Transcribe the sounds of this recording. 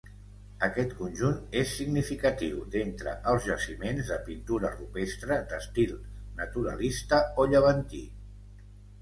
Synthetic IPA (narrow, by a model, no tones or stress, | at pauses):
əkɛt̪kunʲʒunesːiɡnifikət̪iwd̪ent̪ɾə̰ʔəlˠzʒəsimenzðəpint̪uɾərupest̪ɾəd̪əst̪ilˠnət̪uɾə̰list̪əoʎəβ̞ənt̪ḭ